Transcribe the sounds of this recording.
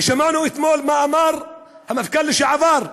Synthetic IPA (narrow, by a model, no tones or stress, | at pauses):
ʃamaːnuʔɪt̪moːlmaʔamɑɾˤ | hamːafikalːɪʃaʕavɑːɾˤ